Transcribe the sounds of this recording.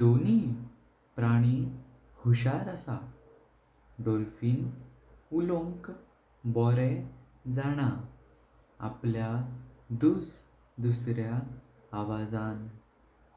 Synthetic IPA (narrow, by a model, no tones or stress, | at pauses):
d̪oni | pɾaɽ̃i | huɕaɾəsa | ɖolfiːn | ulõŋk | bɔɾɛ | d͡zaɽ̃a | a̰pljad̪us | d̪usɾjaː | ʋad͡zan